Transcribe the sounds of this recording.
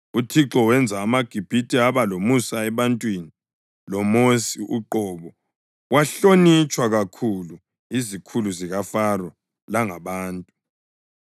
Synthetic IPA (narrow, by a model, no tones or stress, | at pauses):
utʰiǁɔwɛnd͡zʱaːmaɡ̥ʱib̥ʱitʼiaβalomusaɛβantʼwini | lɔmosiuǃɔβɔ | waɬonit͡ʃʼwaɣakʰulu | izikʰuluziɣafarɔ | laŋaβaːntʼu